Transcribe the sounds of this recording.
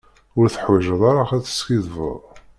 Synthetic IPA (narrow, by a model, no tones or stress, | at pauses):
ʊɾθəħwiʒəðˤɑɾaχæθə̥skiðvˤə̰ðˤ